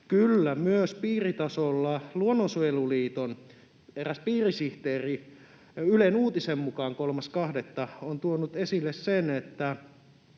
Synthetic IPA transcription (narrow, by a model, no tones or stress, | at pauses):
kylːæmyøspiːrit̪ɑsolːɑluonːosueluliːt̪on | eræspiːrisiht̪eːri | ylenuːt̪isemmukɑːŋkolmɑskɑhdet̪ːɑont̪uonut̪esilːessenet̪ːæ